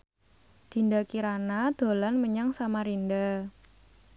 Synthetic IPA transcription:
d̪̥i̤ndakiɾanad̪̥o̤lanməɲaŋsamaɾinda

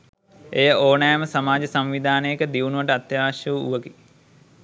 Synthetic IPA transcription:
ejəoːnajəməsɐmaːd͡ʒɐsɐmʋid̪ʱaːnəjekəd̪iʋunuʋɐʈəat̪jaːʋɐʃjəʋuṵʋəɡi

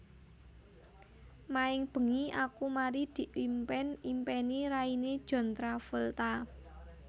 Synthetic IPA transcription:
maɪŋb̥ə̤ŋiakumaɾid̪̥i̤ʔlimpɛnimpɛniɾained̥ʒ̥ɔ̤nt̪ɾafult̪a

